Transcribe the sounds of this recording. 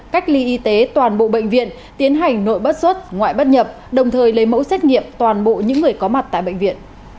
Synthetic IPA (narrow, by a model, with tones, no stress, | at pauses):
ka˦˥jk̟̚li˧ʔi˧t̪e˨˦t̪waː˨˩nɓo̰˧˨ɓə̰˧˨jŋ̟vḭ˧˨ən | t̪i˨˦ənɦa˨˩jŋ̟no̰˧˨jɓə˦˥t̚swə˦˥t̚ŋwa̰ː˧˨jɓə˦˥t̚ɲə˨˩p̚ | ɗə˨˩wŋ͡mt̪ʰəː˨˩jlə˨˦jmə̰˧˥wsɛː˦˥k̟̚ɲḭ˧˨əmt̪waː˨˩nɓo̰˧˨ɲɨ̰˧˥ŋːɨ˨˩əjkɔ˨˦ma˨˩t̚t̪a̰ː˧˨jɓə̰˧˨ŋ̟vḭ˧˨ən